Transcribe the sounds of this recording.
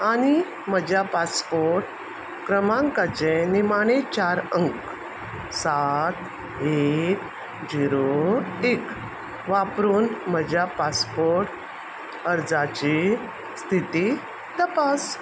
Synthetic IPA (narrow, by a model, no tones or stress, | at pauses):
añi | məd͡ʑjapaspoɾʈ | kɾəmãŋkat͡ɕenimaɽ̃et͡ɕaɾəŋk | sat̪ | ek | d͡ziɾoek | ʋapɾuːnməd͡ʑjapaspoɾʈ | əɾd͡zat͡ɕi | st̪ʰit̪i | t̪əpas